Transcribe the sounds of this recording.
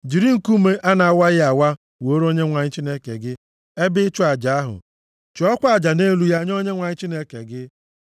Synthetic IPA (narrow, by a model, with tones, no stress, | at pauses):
d͡ʒi˨ɾi˦ŋ̩˨ku˦me˦ʔa˦na˨a˨wa˦ɣɪ˦a˨wa˦ | wo˨o˦ɾo˦ɲe˦ŋʷa˨ɲɪ˦t͡ʃi˦ne˦kḛ˨ɡɪ˦ | e˦bɪ˦t͡ʃʊ˦a˨d͡ʒa˨a˦ɦʊ̰˨ | t͡ʃɔ˦kʷa˨d͡ʒa˨ne˦lu˨˦ja˦ɲ˦o˦ɲe˦ŋʷa˨ɲɪ˦t͡ʃi˦ne˦kḛ˨ɡɪ˦